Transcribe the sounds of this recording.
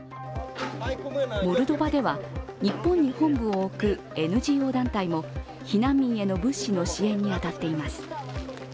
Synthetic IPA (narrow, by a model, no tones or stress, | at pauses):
mo̞ɾɯ̟d̪o̞bad̪e̞βaɲ̟ipːõ̞ɲ̟ːihõ̞mbɯ̟̃oːkɯ̟ | e̞nɯ̟ʑiːo̞ːd̪ãnt̪aimo̞ | çinãmːʲĩɰ̃e̞no̞bɯ̟̃ɕino̞ɕiẽ̞ɲ̟ːiat̪at̪ːe̞imasɨ̥